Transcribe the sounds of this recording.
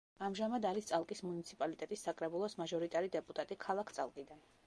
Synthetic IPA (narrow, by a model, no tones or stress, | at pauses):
amʒamad̪aɾist̪sʼalˠkʼismunit̪sʰipʼalit̪ʼɛt̪ʼisːakʼɾɛbulˠɔsmaʒɔɾit̪ʼaɾid̪ɛpʼut̪ʼat̪ʼikʰalˠakʰt̪sʼalˠkʼid̪an